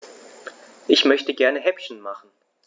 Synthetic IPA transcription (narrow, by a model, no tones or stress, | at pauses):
ʔɪçmœçtəɡɛɐnəɦɛpçn̩maχn̩